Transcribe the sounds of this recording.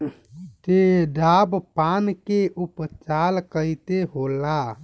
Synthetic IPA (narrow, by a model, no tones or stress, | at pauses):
d͡ʒeɖabpankeʔupt͡ʃalkəjt̪eɦola